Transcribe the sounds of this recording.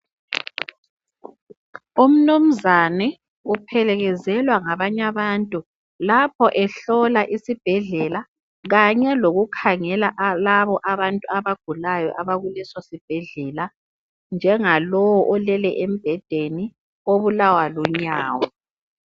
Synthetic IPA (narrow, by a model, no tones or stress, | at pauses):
um̩num̩zanɛ | upʰɛlɛɣɛzɛlwaŋaβaɲaβantʼu | lapʰɔʔɛɬɔlaʔisib̥ʱɛɮɛla | ɣaɲɛloɣukʰaŋɛlaʔlaβɔʔaβantʼuaβaɡ̥ʱulajɔ̰ʔaβaɣulisɔsib̥ʱɛɮɛla | nd͡ʒʱɛŋalɔwɔʔɔlɛlɛʔem̩b̥ʱɛd̥ʱeni | oβulawaluɲaːwɔ